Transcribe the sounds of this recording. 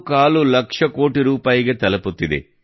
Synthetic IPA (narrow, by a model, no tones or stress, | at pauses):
kaːlulɐkʂɐko̞ːʈiɾuːpaːjiɡe̞t̪ɐlɐput̪ːid̪ḛ